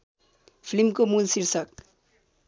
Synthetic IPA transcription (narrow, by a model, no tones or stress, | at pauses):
pʰlimkomulsiɾsək̚